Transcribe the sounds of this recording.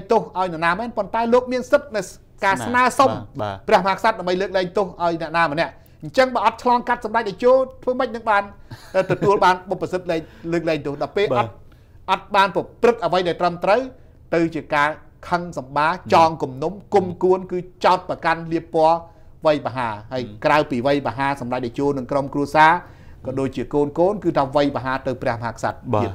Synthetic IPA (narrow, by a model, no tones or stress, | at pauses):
t̪ohʔaɔjnɛ̆ʔnaːmɛːnpont̪aɛloːk̚miənsɨt̪̚nɨw | kaːsnaəsomprɛ̆əhmɦaːkʰsat̪̚ɗaɛmɓəjləːk̚lɛːŋt̪ohʔaɔjnɛ̆əʔnaːmənɛ̆əʔ | ɲt͡ɕəŋɓaːʔɑt̪̚t͡ɕʰlɑːŋkat̪̚sɑmɗac̚ɗaɔt͡ɕoːlt̪ʰʋəːməc̚nɨŋɓaːnʔəːt̪ɔt̪uəlɓaːnɓopːasɨt̪̚lɛːŋləːk̚lɛːŋt̪oəhɗɑɔpeːlɑt̪̚ | ʔɑt̪̚ɓaːnpɔprɨt̪̚ʔəʋəjɗaɛlt̪rəmt̪rəw | t̪ɨwt͡ɕiəkaː | kʰəŋsɑmɓaːt͡ɕɑːŋkumnumkumkuənkɨːt͡ɕaɔt̪̚prɑkanliəpːoə | ʋəjɓaɦaːɦaːəjkrawpiːʋəjɓaːɦaːsɑmɗac̚ɗat͡ɕoːlnɨŋkromkruəsaː | kɑːɗoːc̚t͡ɕiəkoːnkoːnkɨːt̪ʰaːʋəjɓaɦaːt̪ɨwprɛ̆əhmaɦaːkʰsa̰t̪̚iət̪̚